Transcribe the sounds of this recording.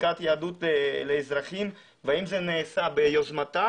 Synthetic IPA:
kat̪jaad̪ut̪leleːzɾaχim | veaimzeneːsabejozmat̪a

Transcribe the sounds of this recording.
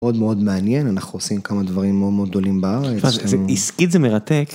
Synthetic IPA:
o̞d̪meo̞d̪meanjenanaχnuosimkamad̪vaʁimːeod̪meod̚d̪o̞limbaaʁeaeiskit̪zemeʁat̪ek

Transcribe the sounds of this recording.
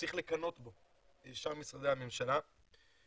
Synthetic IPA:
t͡siχle̞kano̞t̪bo̞ | eʃaʁmisʁad̪ehame̞mʃala

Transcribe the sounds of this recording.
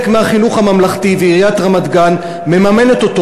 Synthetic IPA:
kmeaχinuχamamlaχt̪iveiijat̪ʁamad̪ɡan | me̞mame̞net̪o̞t̪o

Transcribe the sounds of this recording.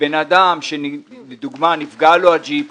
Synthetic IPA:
enad̪amʃenled̪uɡmanifɡaload͡ʒip

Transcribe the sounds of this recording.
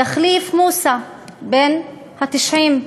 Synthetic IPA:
aχlifmusa | ben | hat̪iʃʕim

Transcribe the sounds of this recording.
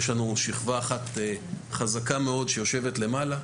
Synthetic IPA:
jeʃlanuʃiχvaːχat̪e | χazakame̞o̞dʃe̞jo̞ʃe̞vetle̞mala

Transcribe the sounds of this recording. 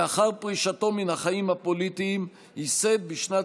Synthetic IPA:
aχaʁpʁiʃat̪o̞minhaχaimhapolit̪iːm | hised̪̚biʃna

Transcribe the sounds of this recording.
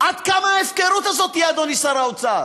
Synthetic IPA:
at̪kʰamaɛfkɛɾut̪ʰas̬ɔt̪iad̪ɔnisaɾawt̪sʰa

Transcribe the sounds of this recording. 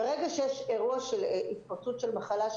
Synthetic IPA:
ʁeɡaʃejeʃeʁuaʃelʔitpaʁtut̪ʃelmaχalaʃ

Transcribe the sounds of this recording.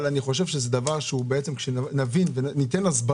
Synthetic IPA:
laniχo̞ʃevʃezed̪avaʁʃeubeet͡se̞mkʃenavinvenit̪e̞nasba

